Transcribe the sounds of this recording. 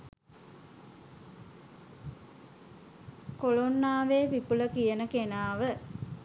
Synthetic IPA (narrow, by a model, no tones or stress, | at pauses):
kolonːaːʋeːʋipuləkijənəkenaːʋə